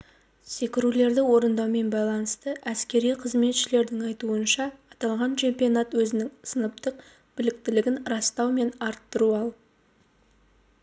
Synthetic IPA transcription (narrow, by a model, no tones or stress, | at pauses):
se̞kʲɪɾule̞ɾd̪ɪwo̞ɾənd̪ɑwme̞nbɑjlˠɑnəst̪əʔæskʲe̞ɾijqʰəzme̞t̪ʃɪle̞ɾd̪ɪŋɑjt̪uənʃɑːt̪ɑlˠʁɑnt͡ʃʰe̞mpijo̞nɑt̪wɵzɪnɪŋsənəp̚t̪əq | b̥ɪlɪk̚t̪ɪlɪɡʲɪnɾɑst̪ɑwme̞nɑɾt̪ːəɾuɑlˠ